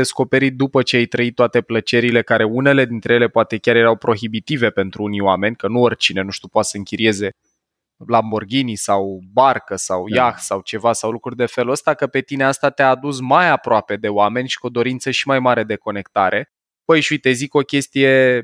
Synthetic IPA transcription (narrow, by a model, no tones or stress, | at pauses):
esko̞pe̞ɾit̪̚d̪upət͡ʃe̞ajt̪ɾəit̪ːoat̪e̞plət͡ʃe̞ɾile̞kaɾe̞une̞le̞d̪int̪ɾe̞jele̞poat̪e̞kʲaɾje̞ɾawpɾo̞xibit̪ive̞pe̞nt̪ɾuunioame̞nʲkənuorʲt͡ʃine̞nuʃt̪upoat̪səɨŋkʲiɾie̞ze̞ | lamborɡʲinisawbarkəsawjaxsawt͡ʃe̞vasawlukɾurʲd̪e̞fe̞ləst̪akəpe̞t̪ine̞ast̪at̪eaːd̪us̬majapɾoape̞d̪e̞oame̞nʲʃi̥kud̪o̞ɾint̪səʃimajmaɾe̞d̪e̞ko̞ne̞kt̪aɾʔe̞ | b̥əjʃujt̪e̞ziko̞kʲe̞st̪ije̞